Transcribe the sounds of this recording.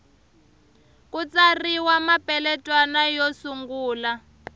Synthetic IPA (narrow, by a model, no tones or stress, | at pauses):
kʼut͡sariwamapʼɛlɛtʼwanajosuŋɡuːla